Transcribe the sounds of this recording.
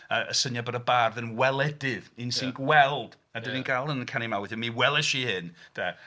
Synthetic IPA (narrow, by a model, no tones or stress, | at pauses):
əʔəsənjabəɾəbaːrðənwɛlˠɛdɪvɪnsinɡwɛlˠd̥ | adɪninɡalˠənkʰanimawɪθɪnmiwɛlˠɛʃihɪnd̥a